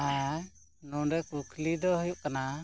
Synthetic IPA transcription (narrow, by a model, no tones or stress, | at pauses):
a | nɔɖɛkukʰlid̪ɔɦujuʔkana